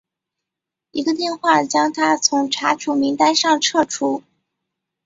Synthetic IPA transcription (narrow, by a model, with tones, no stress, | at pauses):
i˧˥ɡə˧t̪̬jɛ˥˧nxwa˥˩t͡ɕjɑ˥ŋt̪ʰa˥t͡sʰʊ˧˥ŋʈ͡ʂʰa˧˥t͡ɕʰu˧˥mi˧˥ŋt̪a˥ɪʂɑ˥˧ŋʈ͡ʂʰɤ˥˩ʈ͡ʂʰu˥